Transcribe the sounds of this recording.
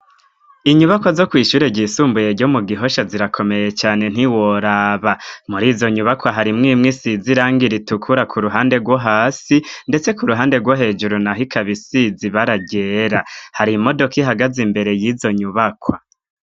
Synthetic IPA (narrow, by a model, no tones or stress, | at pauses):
iɲuβakwazo̞kwiːʃuɾe̞ɟisuːmbuje̞ɾɟomuɡiɦo̞ʃaziɾakʰo̞me̞je̞t͡ʃaːne̞n̥iwoɾaβamuɾiːzo̞ɲuβakwaɦaɾimŋiːmŋisiziɾaːŋɡiɾitukʰuɾakʰuɾuɦaːnde̞ɡwoɦaːsinde̞t͡se̞kuɾuɦaːndeɡwoɦe̞ːd͡ʒuɾunaɦikʰaβisiziβaɾaɟe̞ːɾahaɾimo̞do̞kiɦaɡazimbe̞ɾe̞jizo̞ɲuβakʰwa